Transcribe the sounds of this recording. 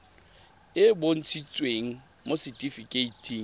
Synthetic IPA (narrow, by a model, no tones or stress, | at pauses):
ɪbon̩t͡sʰit͡sʼweŋ̩ | mosɪtʼifikʼeitʰiːŋ